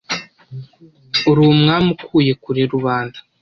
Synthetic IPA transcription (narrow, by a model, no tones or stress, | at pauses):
uɾumŋaːmukʰuːje̞kuɾiɾuβaːnzḁ